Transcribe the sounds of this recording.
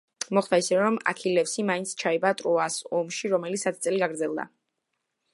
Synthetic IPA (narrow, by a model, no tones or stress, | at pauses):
mɔχd̪aisɛɾɔma̰kʰilɛpsimaint̪sʰt͡ʃʰaibat̪ʼɾɔasɔmʃiɾɔmɛlit̪sʰat̪ʰi̥t̪sʼɛliɡaɡɾd̪zɛlˠd̪a̰